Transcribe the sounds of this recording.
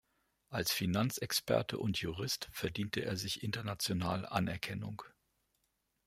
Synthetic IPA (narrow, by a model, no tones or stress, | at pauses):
ʔalsfinant͡sɛkspɛ̰ɐtʰə̰ʔʊntʰjuʁɪstfɛɐdiːntʰəʔḛːɐzɪçʔɪntɐnat͡sjonaːl̰ʔanɛɐkʰɛnʊ̰ŋ